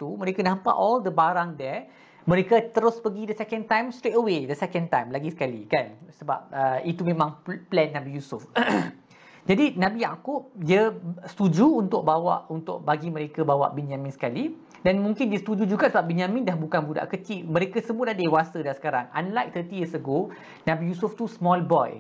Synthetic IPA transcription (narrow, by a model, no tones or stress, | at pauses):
t̪umə̃ɾekənaɦəmpa̰ʔɔldəbaɾaŋdɛ | mə̃ɾekət̪əɾʊspəɡidəsɛkɛ̃nt̪ãjmst̪ɾetəwedəsɛkɛ̃nt̪ajmlaɡisə̥kalikansəba̰p̚əit̪umẽmãŋplɛnːãbijusʊf | d͡ʒadinãbijakʊp̚diəst̪ud͡ʒuːnt̪ʊk̚bawa̰ʔunt̪ʊk̚baɡimə̃ɾekəbawa̰ʔbinjãmɪ̃nsə̥kali | danmũŋkɪndiəst̪ud͡ʒud͡ʒuɡaʔsəbap̚binamĩndahbukanbuda̰ʔkət͡ʃimə̃ɾekasəmũəladewasədasə̥kaɾaŋa̰nlajk̚t̪ʰət̪ijəsəɡo | nãbijusʊft̪usmɔlbɔj